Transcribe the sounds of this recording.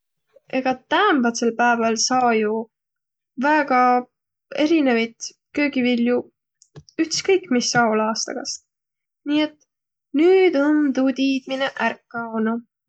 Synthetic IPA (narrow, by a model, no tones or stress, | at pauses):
e̞ɡ̥ɑt̪æːmbɑt̪selpæevɑlsɑːju | væːɡ̥ɑ | e̞ɾinevɑjt̪ | kø̞ːɡ̥ivilju | yht̪skɤjkːˑmisːɑːolɑːst̪ɑ̰ɡ̥ɑst̪ | niːe̞t̪ː | nyːd̪o̞nt̪uːt̪iːd̪̥mineʔærkːɑonu